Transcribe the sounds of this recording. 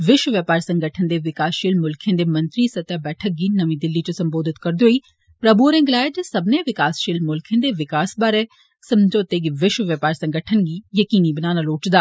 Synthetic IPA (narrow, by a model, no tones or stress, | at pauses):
ʋɪʃwəʋjəpaːɾsə̃ŋɡəʈʰənd̪eːʋɪkaːsʃiːlmʊlkʰẽnd̪eːmɐ̃nt̪ɾiːsɐt̪jabɛːʈʰək̚ɡiːnəʋĩd̪ɪlːit͡ʃosɐmboːd̪ɪt̪kɐɾd̪oːiː | pɾəbuɔɾẽːɡɪlaːed͡ʒesɐbneʋɪkaːsʃiːlmʊlkʰẽnd̪eːʋɪkaːsbaːɾe | sɐmd͡ʒoːt̪eɡiʋɪʃwəʋjəpaːɾsɐ̃ŋɡəʈʰənɡiːjəkiːnibənaːnaloːt͡ʃd̪aː